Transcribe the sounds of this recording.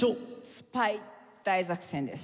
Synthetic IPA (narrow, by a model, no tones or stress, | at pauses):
osɨ̥pai | d̪̥aizakɯ̥sẽnd̪es